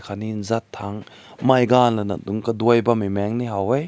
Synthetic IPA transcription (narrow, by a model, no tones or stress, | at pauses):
kʰaninzatʰːaŋ | majɡanlɐnɐ̰duŋkɐdujbɐmimɛŋniɦawej